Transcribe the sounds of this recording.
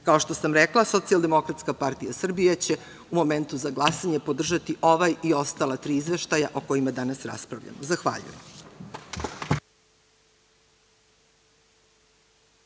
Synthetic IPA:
kao̞ʃt̪o̞samɾeklˠaso̞t̪sialˠd̪e̞mo̞kɾat̪skapaɾt̪ijasr̩bijat͡ɕe̞ | umo̞me̞nt̪uzaɡlˠasaɲe̞po̞d̪r̩ʒat̪iʔo̞ʋajio̞st̪alat̪ɾiːizʋe̞ʃt̪ajaʔo̞ko̞jimad̪anasɾa̰spɾa̰ʋʎa̰mozaxʋa̰ːʎṵjḛm

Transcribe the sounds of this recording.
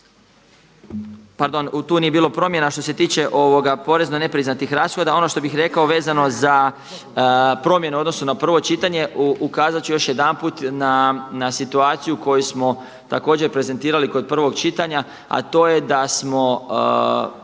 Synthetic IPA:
paɾd̪o̞nut̪uːnije̞biːlˠo̞pɾo̞mje̞naʃt̪o̞se̞t̪iːt͡ɕe̞ʔo̞ʋo̞ɡapo̞ɾe̞znone̞pɾiznat̪ixɾaːsxo̞d̪ao̞no̞ʃt̪o̞bixɾe̞kao̞ʋe̞ːzano̞za | pɾo̞mje̞neo̞d̪no̞sunapr̩ʋo̞t͡ʃit̪aɲe̞ukaːzat͡ʃujo̞ʃje̞d̪anpuːt̪nanasit̪uaːt̪sijuko̞jusmo̞ | t̪ako̞ːd͡ʑe̞ɾpɾe̞ze̞nt̪iːɾaliko̞d̪̚pr̩ʋo̞ɡt͡ʃit̪aɲa | a̰t̪o̞ːje̞d̪asmo̞

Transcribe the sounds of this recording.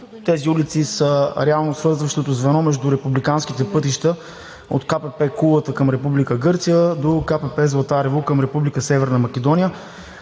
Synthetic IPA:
t̪ɛziulit̪sisəɾɛalˠnosvɤɾzvəʃt̪ot̪ozvɛnɔmɛʒd̪ʊɾɛpublikanskit̪ɛpɤt̪iʃt̪ə | o̰t̪kapɛpɛkulˠət̪əkəmɾɛpublikəɡɤɾt̪sijəd̪okapɛpɛzlˠɐt̪aɾɛvukəmɾɛpublikəsɛvɛɾnəmɐk̟ʲɛd̪ɔnijə

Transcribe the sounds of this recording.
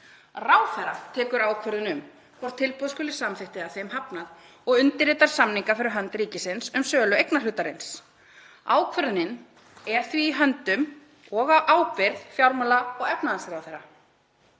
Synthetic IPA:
raːwθɛɾat̪ʰɛːkʏɾaːwkʰvœɾðʏnʏm | kʰvɔr̥t̪ʰːɪlpɔðskʏːlɪ̥samθɪht̪ɪaθejmɦapnað | ɔɣʏnt̪ɪɾɪːt̪aɾ̥samniŋkafɪɾɪɾɦœnt̪ɾiːcɪsɪnsʏmsœːlʏejknalʏːt̪aɾɪns | a̰ːwkʰvœɾðʏnɪn | ɛɾ̥θviːɦœnt̪ʏm | ɔɣaʔaːwpɪɾðfjawɾmalaɔɣɛpnaðansɾaːwθɛɾːa

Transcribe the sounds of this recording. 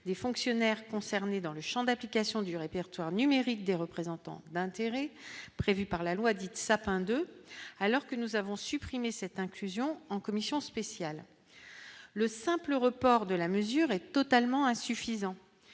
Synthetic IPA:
d̪efɔ̃ksjɔnɛʁkɔ̃sɛʁned̪ɑ̃ləʃɑ̃d̪aplikasjɔ̃d̪yʁepɛʁt̪waʁnymeʁik̚d̪eʁəpχezɑ̃t̪ɑ̰̃d̪ɛ̃t̪eʁɛpχevypaʁlalwad̪it̪sapɛ̃d̪øalɔʁkənuzavɔ̃sypχimesɛt̪ɛ̃klyzjɔ̃ɑ̃kɔmisjɔ̃spesjal | əsɛ̃pləʁəpɔʁd̪əlaməzyʁɛt̪ɔt̪almɑ̃ɛ̃syfizɑ̃

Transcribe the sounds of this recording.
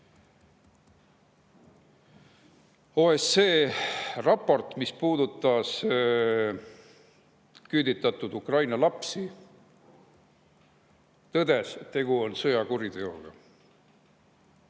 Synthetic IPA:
oːheseːrɑpːˑo̞rt̪ˑmispuːd̪ut̪ːˑɑs | kyːd̪it̪ːˑɑt̪ːˑud̪ukrɑjnɑlɑpsi | t̪ɤd̪e̞st̪ːe̞ɡuo̞nsɤjɑkuɾid̪e̞o̞̰ɡ̥ɑ̰

